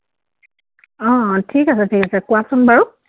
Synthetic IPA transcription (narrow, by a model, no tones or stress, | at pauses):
ɔ̃tʰikasɛtʰikasɛkuwasumbaɹu